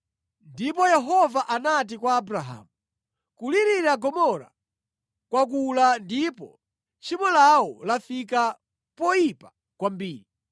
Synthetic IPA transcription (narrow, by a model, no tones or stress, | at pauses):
ndipɔjɛɦɔvaʔanat̬ikwaːbɾaɦa̰ːmu | kuliɾiɾaɡɔmɔɾa̰ | kwak̬ulandipɔ̰ | t͡ʃimɔlawɔlafika | pɔjipa | kwambiːɾi